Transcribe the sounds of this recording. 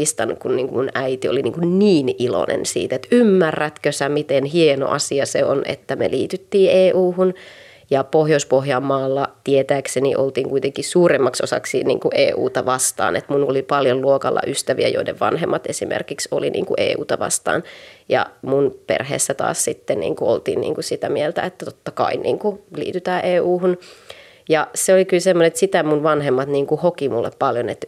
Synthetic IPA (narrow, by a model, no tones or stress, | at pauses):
ist̪ɑnːukkunniːŋkumunæit̪ioliniːŋkunniːnilo̰nḛnsḭːt̪et̪ymːærːæt̪køsæmit̪enɦieno̰ʔɑsiɑseonʔḛt̪ːæmḛliːt̪yt̪ːiːʔeːʔuːhun | jɑpohjoispoɦjɑmːɑːlːɑt̪iet̪æːksenḭʔolt̪iːŋkuit̪eŋkisuːremːɑkso̰sɑ̰ksinḭːŋkuʔḛːʔṵːt̪ɑʋɑst̪ɑ̰ːnet̪munolipɑljolluokɑlːʔɑ̰ʔyst̪æʋiæjoidḛʋʋɑ̰nɦemːɑt̪esimḛrkikso̰linʔḭːŋkuʔḛːṵːt̪ɑʋɑ̰st̪ɑ̰ːnjɑ̰munpḛrhḛːsːæt̪ɑ̰ːssit̪ːennḭːŋkuolt̪iːnnḭːŋkusit̪æmielt̪æ̰et̪ːæt̪ot̪ːɑkɑ̰inʔḭːŋkulḭːt̪yt̪æːʔeːuːhun | jɑseolikylsemːoneet̪sit̪æmunʋɑnɦemːɑt̪niːŋkuhokimulːeppɑljonet̪